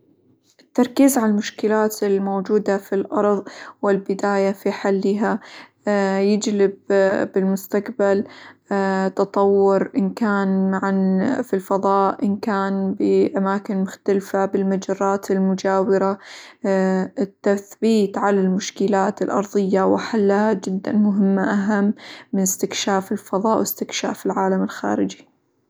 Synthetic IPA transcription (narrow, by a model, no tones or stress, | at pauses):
ʔɪt̪ːɑɾˤkiːzʕalalmʊʃkɪlaːt̪ɪlmoːd͡ʒuːd̪afilʔɑɾˤðˤwɪlbɪd̪aːjafiħalːɪɦa | jɪd͡ʒlɪbbɪlmʊst̪aqbal | t̪ɑt̪ˤɑwːʊɾʔɪnkaːnmaʕanfilfɑðˤɑːʔʔɪnkaːnbɪʔamaːkɪnmʊxt̪alfabɪlmad͡ʒɑrˤːɑːt̪ɪlmʊd͡ʒaːwɪɾa | ɪt̪ːaθbiːt̪ʕalalmʊʃkɪlaːt̪ɪlʔɑ̰ɾˤðˤɨjːawɪħalːaad͡ʒɪd̪ːa̰nmʊɦɪmːaʔaɦamːɪnɪst̪ɪkʃaːfɪlfɑðˤɑːʔwɪst̪ɪkʃa̰ːfilʕaːlamɪlxa̰ːɾɪd͡ʒi̥